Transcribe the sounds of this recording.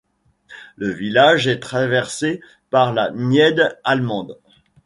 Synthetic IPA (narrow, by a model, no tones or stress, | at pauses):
ləvilaʒɛt̪χavɛʁse | paʁlanjɛd̪almɑ̃d̪